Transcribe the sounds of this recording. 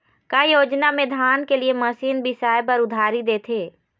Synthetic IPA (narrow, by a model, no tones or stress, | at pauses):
kajoːd͡ʒnamẽd̪ʱaːnkeliemɐsiːnbɪsaːjpɐɾʊd̪ʱaːɾid̪eːt̪ʰeː